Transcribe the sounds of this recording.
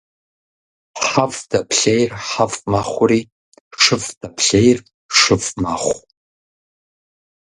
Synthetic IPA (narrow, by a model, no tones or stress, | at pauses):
ħavdɐpʰɬejrħafmaχʷʊriː | ʂɨvd̥ɐpʰɬejr | ʂɨfmaχʷ